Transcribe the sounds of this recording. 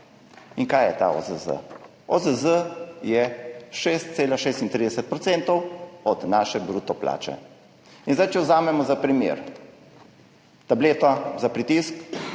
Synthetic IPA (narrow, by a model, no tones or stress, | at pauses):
iŋkaːjɛt̪a̰ɔ̰zəzə̰ | ɔzəzəjɛʃest̪t̪seːlaʃeːst̪int̪ɾid̪ɛsɛt̪̚pɾɔt̪sɛnt̪ɔwɔd̪naːʃɛbɾuːt̪ɔpla̰ːt͡ʃɛ̰ | inzd̪ajt͡ʃɛwzaːmɛmɔzapɾimjḛɾ | t̪ableːt̪azapɾit̪isk